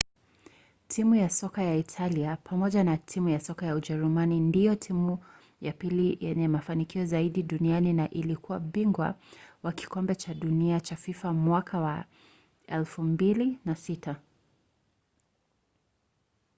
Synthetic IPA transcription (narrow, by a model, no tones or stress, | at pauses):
tʰimujasɔkajaitʰaliapʰamɔʄanatʰimujasɔkajauʄɛɾumanindijɔtʰimu | japilijɛɲɛmafanikiɔzaiɗiɗunianinaʔilikuwaɓiŋɡwa̰waki̥kɔmbɛt͡ʃaɗuniat͡ʃafifamwakʰawa | ɛlfumbilinasitʰa